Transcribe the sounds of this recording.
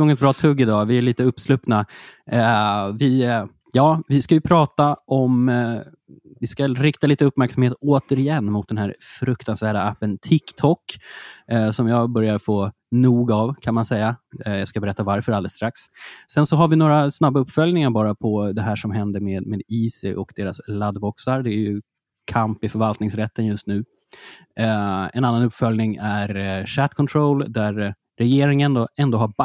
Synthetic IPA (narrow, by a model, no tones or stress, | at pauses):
ɡɔŋəɛt̪bɾɑːt̪ʰɵɡːɪd̪ɑːvɪæɭiːt̪əɵpːslʉpna | vɪ | jɑːvɪskajɵpʰɾɑːt̪aʔɔm | vɪskaɾɪkt̪aliːt̪əɵpːmæɾksamheːt̪oːt̪əɾɪjɛnːmʊt̪̚d̪ɛnɦæːɾfɾɵkt̪ansvæːɖaapːənt̪ʰɪkt̪ʰɔkː | sɔmjɑːɡbœɾjaɾfoː | nuːɡavkʰanmansɛjːajɑskabɛɾɛt̪ːavaɾfœɾald̪əst̪ɾakssɛnsɔɦaɾvɪnoːɾasnabːaɵpːfœljnɪŋaɾbɑːɾapʰɔd̪ɛɦæːʂɔmɦɛnd̪əɾmeːd̪meːd̪iːsɪʔɔkd̪eːɾaslad̪bɔksaɾd̪ɛæjɾjɵ | kʰampɪfœɾvalt̪nɪŋsɾɛt̪ʰːənjɵst̪nʉ̟ː | ɛ̰nanːanɵpːfœljnɪŋæɾʂæt̪kʰɔnt̪ʰɾoʊld̪æɾː | ɛjeːɾɪŋənd̪ɔɛnd̪oːɦhab